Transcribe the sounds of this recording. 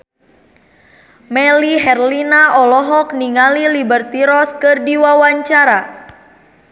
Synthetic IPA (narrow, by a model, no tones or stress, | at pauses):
mɛliɦɛrlinaʔɔlɔɦɔk̚niŋalilibərt̪iɾɔskɨrdiwawaɲt͡ʃaɾa